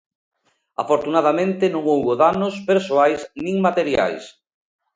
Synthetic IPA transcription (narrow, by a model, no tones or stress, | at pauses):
a̰foɾt̪unað̞amẽnt̪ɪnõŋowβoðanospeɾsoajsnĩŋmat̪eɾja̰js